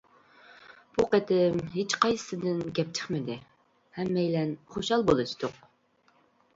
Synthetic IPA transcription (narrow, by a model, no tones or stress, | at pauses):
b̥uqæt̪ʰɪmɦet͡ʃqɑjsɨ̥sɨd̪ɪnɡʲɛp̚t͡ʃʰə̥χmɪd̪ɪ | hɛmːɛjlɛnχoʃɑlˠbolˠɨʃt̪oq